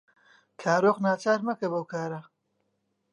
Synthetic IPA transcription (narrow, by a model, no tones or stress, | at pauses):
kʰaːɾoːqnaːt͡ʃaːɾmɐkɐbɐwkʰaːɾa